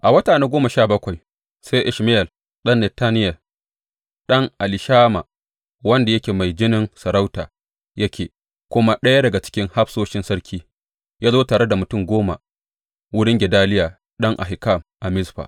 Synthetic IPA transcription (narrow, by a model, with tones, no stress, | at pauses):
ʔa˨wɐ˦taː˨neː˦ɡʷoː˦ma˨ʃaː˦˨bɐ˦kʷa˨j | sa˦ʔɪ˨ʃmɪ˦jɛ˨l | ɗɐ˦nːɛ˨taː˦nɪ˦jɐ˨ | ɗɐ˦ŋʔa˨lɪ˨ʃaː˦ma̰˨ | wɐ˦nda˨jɐ˦kʲeː˨ma˨jd͡ʒɪ˦nɪ˦nsɐ˨ɾa˦wtaː˨ | jɐ˦kʲʰeː˨ | kʷʊ˦ma˦ɗɐ˦ja˦dɐ˨ɡa˨t͡ʃɪ̥˦kʲɪ˦ŋha˦ɸsoː˦ʃɪ˦nsɐ˦ɽkʲʰiː˦ | jaː˦zoː˦taː˨ɽe˦da˨mʊ˨tʊ˦˨mɡʷoː˦ma̰˨ | wʊ˦ɽɪ˦ŋɡʲɛ˨daː˦lɪ˦jaː˨ | ɗɐ˦ŋʔa̰˨ɦɪ˨ka˦˨mʔa˨mɪ˦sɸa̰˨